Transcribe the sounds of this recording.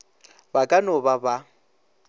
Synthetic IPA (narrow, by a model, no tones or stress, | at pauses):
bakʼanɔbaba